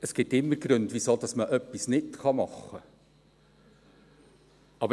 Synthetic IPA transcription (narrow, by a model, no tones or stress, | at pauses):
əsɡ̥ɪtːɪmːəɾɡ̥ɾɵndʋisoːd̥̪ɑsməʔœpːisnɪtkɑmɑχːə | ɑbə